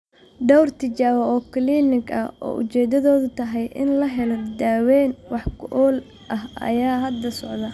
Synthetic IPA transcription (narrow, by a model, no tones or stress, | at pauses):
ɖɔwrt̪ʰɪt͡ʃaːɣɔɔːkʰliːnɪɡɐ̰ɔ̰ːʔʊ̰t͡ʃɛːd̪ɐðɔːðʊt̪ʰɐɦɛjʔɪ̰nlɐɦɛlɔd̪aːwɛːnwɑħkʰʊʔɔːl | ʔɐɦɐ̰jaːɦɐd̪ːɐsɔʕd̪ɐ